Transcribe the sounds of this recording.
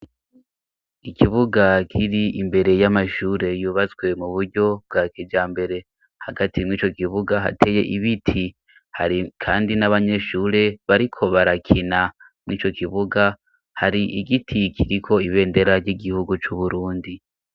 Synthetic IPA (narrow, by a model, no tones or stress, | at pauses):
ikʰiβuɡakʰiɾiʔimbe̞ɾe̞jamaʃuːɾe̞juːβazɡwe̞muβuɾɟo̞b̚ɡaːkid͡ʒaːmbe̞ɾe̞ | haɡatʰimŋiːt͡ʃo̞kiβuɡaɦa̰tʰe̞je̞̰ʔiβitʰi | haɾikʰaːndinaβaɲe̞ːʃuːɾe̞βaɾikʰo̞βaɾakʰina | mŋiːt͡ʃo̞kiβuɡa | haɾiʔiɡitʰikʰiɾikʰo̞iβe̞ːnde̞ɾaɾɟiɡihuɡut͡ʃuβuɾuːndi